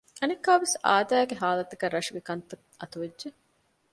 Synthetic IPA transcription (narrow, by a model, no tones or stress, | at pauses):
ɐnekːaːʋesa̰ːd̪æːɡeɦaːlɐt̪ɐkɐɾɐʂuɡekɐnt̪ɐkʔɐt̪uʋedʒe